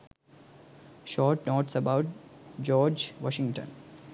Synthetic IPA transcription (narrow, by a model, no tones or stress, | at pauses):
ʃɔːʈnoːʈsəbaʊʈ̚d͡ʒɔːɾd͡ʒʋɔ̰ːʃɪ̃ŋʈə̰̃n